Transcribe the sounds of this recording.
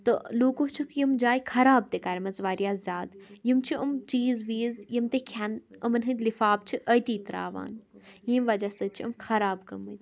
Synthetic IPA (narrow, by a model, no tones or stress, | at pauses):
t̪ɨloːkot͡ʃʰukʰjimd͡ʒaːjkʰɐɾaːb̚t̪ekɐɾʲmɐzʋaːɾjaːzzʲaːd̪jimt͡ʃʰiɐmt͡ʃiːzʋiːzjimt̪ekʰʲɐnɐmɐnɦɨt̪ʲlifaːb̚t͡ʃʰiʔəjt̪iːt̪ɾa̰ːʋa̰ːnjĩːmʋɐd͡ʒɐsət͡ʃʰiɐ̰mkʰɐɾaːbkɐmət̪